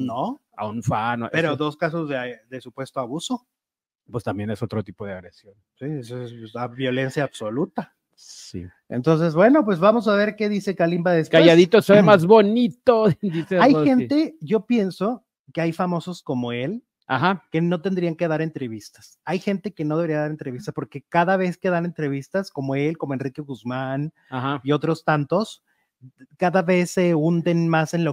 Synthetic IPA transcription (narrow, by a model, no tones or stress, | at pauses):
no | a̰unfan̰pe̞ɾoðo̞skas̬ozðeðesupwe̞st̪oaβuso̞ | pwest̪ambjenesot̪ɾot̪ipoðeaɣɾesjonsiesoesesaβjo̞le̞nsjaːβso̞lut̪a | sḭ | ent̪o̞ns̬e̞zbwe̞no̞p̬we̞zβamo̞s̬aβ̞e̞ɾke̞ðise̞kalimbaðeskajaðit̪osemazβonit̪od̪iseajxe̞nt̪e̞ʝo̞pje̞nso̞ | ke̞ajfamo̞so̞sko̞mo̞e̞l | a̰xake̞no̞t̪e̞nd̪ɾiaŋke̞ðaɾe̞nt̪ɾe̞βist̪ḁs | ajxe̞nt̪e̞ke̞no̞ðeβeɾiaðaɾent̪ɾeβist̪aspo̞ɾke̞kaðaβ̞e̞ske̞ðane̞nt̪ɾe̞β̞ist̪asko̞mo̞e̞lko̞moe̞nrike̞ɣuzman | ahaio̞t̪ɾo̞st̪ant̪o̞s | kaðaβe̞seund̪e̞nmase̞nlo